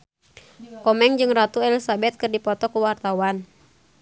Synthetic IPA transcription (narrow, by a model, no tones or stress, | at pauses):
kɔmɛŋd͡ʒɨŋrat̪uɛlisabɛt̪̚kɨrdipɔt̪ɔkuwart̪awan